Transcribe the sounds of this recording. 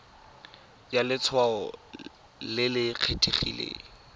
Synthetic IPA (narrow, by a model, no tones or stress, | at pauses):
jalɪt͡sʰwaɔ | lɪlɪq͡χʰetʰʼeχḭlḛː